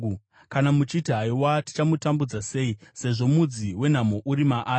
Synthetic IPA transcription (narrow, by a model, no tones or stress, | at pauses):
kanamut͡ʃitiɦaiwati̥t͡ʃamutambud͡zase̞ise̞ʐo̞mud͡ziwe̞n̤amo̞ʔuɾimaʔaː